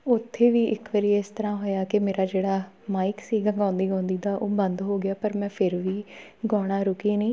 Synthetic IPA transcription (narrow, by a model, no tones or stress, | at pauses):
ʊt̪ʰːeːʋiːʔɪkʋəɾiːɪst̪əɾãːɦoːjaːkɪmeːɾaːd͡ʒeːɽaː | maːɪksiːɡəŋɡãːnd̪iːõːnd̪iːd̪aːʔoːbənd̪ɦoːɡɪaːpəɾmɛ̃ːpʰɪɾʋiːɡɔːɽ̃aːɾʊkiːnĩː